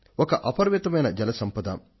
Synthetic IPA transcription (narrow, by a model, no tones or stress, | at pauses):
ɔkɐʔɐpɐɾʋit̪ɐmɐjnɐd͡ʒɐlɐsɐmpɐd̪ɐ̰